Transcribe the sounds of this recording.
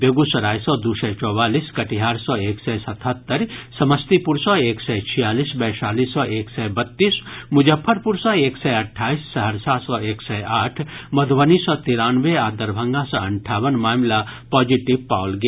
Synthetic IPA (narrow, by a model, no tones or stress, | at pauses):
beɡusɐɾaːjsɔd̪usɛt͡ʃɔːwaːliːskɐʈiɦaːɾsɔːeːksɛsɐt̪ʰət̪ːəɾsɐməst̪ipʊɾsɔeːksɛt͡ʃʰijaːliːsbɛːʃaːlisɔːʔeːksɛbɐt̪ːiːsmʊd͡ʒəpʰːəɾpʊɾsɔ̃eːksɛɐʈʰaːisːɐɦəɾsaːsɔeːksɛaːʈʰmɐd̪ʱʋəniːsɔːt̪iɾaːnʋeaːd̪əɾbʱɐ̃ŋɡãsɔ̃ɐ̃ɳʈʰaːwənmaːmlapɔːd͡ʒiʈiʋpaːwlɡ